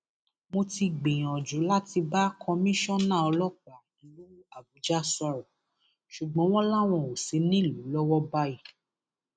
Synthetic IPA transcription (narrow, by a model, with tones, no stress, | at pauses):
mo˧ti˧ɡ͡bẽ˨j̃ɔ̃˨d͡ʒu˨˦la˦ti˧ba˦kʰɔ̃˧mĩ˦ʃɔ̃˦nãː˦˨ɔ˧lɔ˦ka˨i˨lu˨˦a˨bu˨˦d͡ʒa˦˨sɔ˧ɾɔ˨ | ʃu˨ɡ͡bɔ̃˦w̃ɔ̃˦la˦˨w̃ɔ̃˧˨o˨se˨˦nĩ˦˨lu˨˦lɔ˦wɔ˦ba˦i˦˨